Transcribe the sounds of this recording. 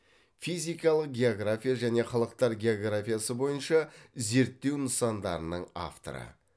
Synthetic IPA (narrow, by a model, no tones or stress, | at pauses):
fijzijkɑlˠəq̚ɡʲe̞o̞ɡrafʲijaʒæne̞χɑlˠəq̚t̪ɑɾɡʲe̞o̞ɡrafʲijasəbo̞jənʃɑze̞ɾt̪ːe̞wnəsɑnd̪ɑ̰ɾənəɴa̰ft̪o̞̰ɾə̰